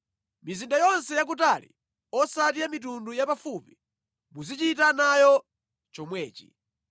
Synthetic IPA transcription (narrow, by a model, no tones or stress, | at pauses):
mizindajɔnsɛjak̬utalḭ | ɔsatiamit̬undujapafupi | muzit͡ʃitanajɔ | t͡ʃɔmwɛːt͡ʃi̥̰